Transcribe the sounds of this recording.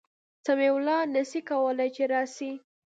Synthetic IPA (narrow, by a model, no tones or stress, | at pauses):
samewlɑnəsikawəlajt͡ʃeɾɑsi